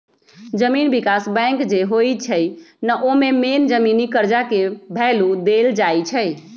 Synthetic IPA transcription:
d͡ʒəminbikasbɛ̃ŋkd͡ʒeɦojt͡ʃʰəjnəʔomemend͡ʒəminikəɾd͡ʒakebʱɛlud̪eld͡ʒajt͡ʃʰəj

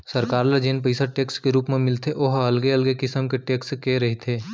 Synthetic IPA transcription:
sɐɾkaːɾlɐd͡ʒenpəɪsaʈeːkskeɾuːpmẽmɪlt̪ʰeʔoɦɐlɡeɐlɡekɪsəmkeʈeːkskeɾɐɦit̪ʰeː

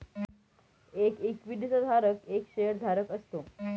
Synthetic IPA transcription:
ekekʋid̪isad̪ʱaɾəkekɕejəɾd̪ʱaɾəkəst̪o

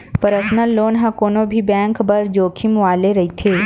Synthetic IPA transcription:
pəɾəsnəlːoːnɦãkoːnobʱibɛ̃ːŋkbɐɾd͡ʒoːkʰimʋaːleɾɐɦit̪ʰeː

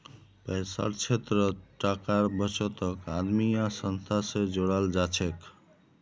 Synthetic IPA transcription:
pəjsa̰ɾt͡ʃʰet̪ɾəʈakaɾbət͡ʃɔt̪ɔkad̪mijasənst̪ʰasẽd͡ʒoɽald͡ʒat͡ʃʰek

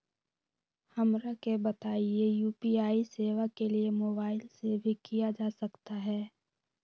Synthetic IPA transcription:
hɐmɾakebət̪aːiejuːpiaːiseːʋakeliemoːbaːɪlsebʱikijad͡ʒaːsɐkt̪aɦɛː

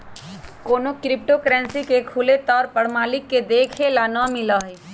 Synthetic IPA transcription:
koːnokɾɪp̚ʈokəɾɛ̃nsikekʰulet̪ɔːɾpəɽmaːlɪkːed̪eːkʰelaːnamɪlaɦe

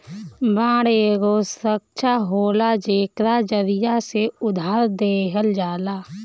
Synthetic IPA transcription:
bãːɽeɡosəkt͡ʃʰaɦoːlad͡ʒeːkɾad͡ʒəɾɪjaseʊd̪ʱaːɾd̪eːɦəld͡ʒaːlaː

